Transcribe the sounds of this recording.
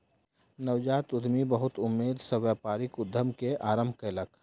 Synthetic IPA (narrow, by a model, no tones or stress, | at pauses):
nəwd͡ʒaːt̪ʊd̪mibəɦʊt̪ʊmːeːd̪səʋjapaːɾɪkʊd̪ʱːəmkeʔaːɾəmbʱkelək